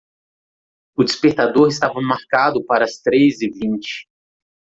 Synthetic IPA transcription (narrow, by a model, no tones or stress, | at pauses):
ʊd͡ʒɪspeɾt̪ad̪oɾɪst̪avɐmaɾkad̪ʊpaɾɐst̪ɾezɪvĩnt͡ʃɪ̥